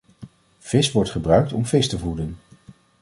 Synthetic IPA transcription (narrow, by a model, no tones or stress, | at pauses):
v̥ɪsʋɔɹtχəbrœɥk̚tɔmvɪstəvudən